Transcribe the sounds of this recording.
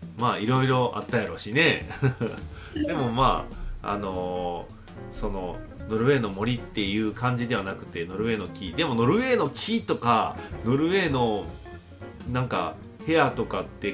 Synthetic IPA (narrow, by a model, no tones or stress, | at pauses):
maːiɾo̞iɾo̞ʔa̰t̪ːae̞ɾɯoɕine̞ | d̪e̞mo̞maːa̰no̞ | so̞no̞no̞ɾɯ̟e̞ːno̞mo̞ɾʲit̪ːe̞jɯ̟ːkãɲ̟d͡ʑid̪e̞β̞anakɯ̟̥t̪e̞no̞ɾɯ̟e̞ːno̞kʲid̪e̞mo̞no̞ɾɯ̟e̞ːno̞kʲʰit̪o̞kano̞ɾɯ̟e̞ːno̞ | nãŋka̰ | he̞at̪o̞kat̪ːe̞